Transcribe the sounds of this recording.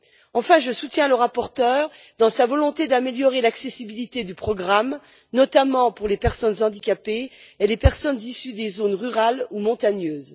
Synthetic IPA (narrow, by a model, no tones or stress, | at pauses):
ɑ̃fɛ̃ʒəsut̪jɛ̃ləʁapɔʁt̪œːʁd̪ɑ̃savɔlɔ̃t̪ed̪ameljɔʁelaksesibilit̪ed̪ypχɔɡʁam | nɔt̪amɑ̃puʁlepɛʁsɔnzɑ̃d̪ikʲapeelepɛʁsɔnzisyd̪ezonʁyʁalumɔ̃t̪aɲøːz